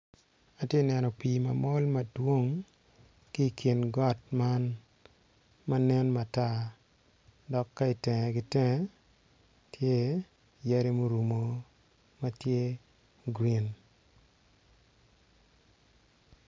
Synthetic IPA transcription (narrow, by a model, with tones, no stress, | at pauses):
a˨tje˦nɛ˨nɔ˨piː˨ma˨mɔ˦lmɐ˨dwo˦ŋ | ki˦˨kʰi˨nɡɔ˦tma˦n | ma˦nɛ˦nma˨ta˦˨ | dɔ˨kːa˦i˨tɛ˨ŋɛ˨ɡɪ˨tɛ˦ŋɛ˦ | tje˦ | jɛ˦ɾe˦mo˦ɾu˨mo˨ | ma˦tje˦ | ɡɾi˦n